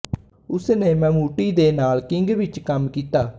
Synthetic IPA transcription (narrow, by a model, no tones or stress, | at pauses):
ʊsnẽːmɛ̃ːmuːʈiːd̪eːnaːlkɪŋɡʋɪt͡ʃkəmkiːt̪aː